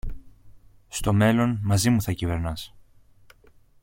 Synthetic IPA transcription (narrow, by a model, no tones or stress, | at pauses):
st̪o̞me̞lo̞nmɐzimuθɐcive̞ɾnɐs